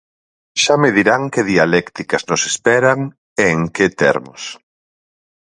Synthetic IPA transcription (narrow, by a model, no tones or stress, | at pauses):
ʃameðiɾaŋkeðialɛkt̪ikɐznosespɛɾaŋ | eŋket̪ɛ̰ɾmʊ̰s